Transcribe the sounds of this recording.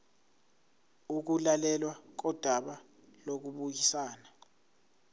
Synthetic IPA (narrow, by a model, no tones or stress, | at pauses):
uk̬ulalɛlwak̬ɔd̥ʱwaɓa | lok̬uɓuk̬isaːna